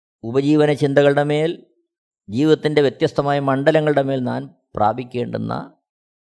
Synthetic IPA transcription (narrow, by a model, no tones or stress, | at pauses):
ubɐd͡ʑiːʋɐnɐt͡ɕind̪ɐɣɐɭɨɽe̞me̞ːl | d͡ʑiːʋiɐt̪ːinde̞ʋjet̪jɐst̪ʰɐmaːjɐmɐɳɖɐlɐŋːɐɭɨɽe̞me̞ːlna̰ːn | pra̰ːbʱikʲːe̞ːɳɖṵnːɐ̰